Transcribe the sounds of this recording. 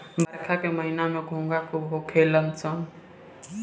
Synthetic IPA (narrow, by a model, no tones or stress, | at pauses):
bəɾkʰakeməɦinamẽɡʱõːŋɡakʰubɦokʰeləmt͡ʃəŋ